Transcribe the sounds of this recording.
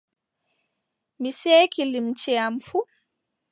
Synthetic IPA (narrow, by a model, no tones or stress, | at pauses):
miseːkilimt͡ʃɛamfu